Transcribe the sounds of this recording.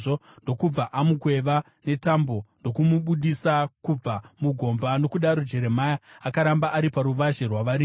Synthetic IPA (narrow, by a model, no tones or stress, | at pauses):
o | ndo̞kub͡vaʔamukwe̞ʋa | ne̞tambo̞ndo̞kumuɓuɗisakub͡vamuɡʱo̞mbano̞kuɗaɾud͡ʒe̞ɾe̞majaakaɾambaʔaɾipaɾuʋaʒerwaʋaɾi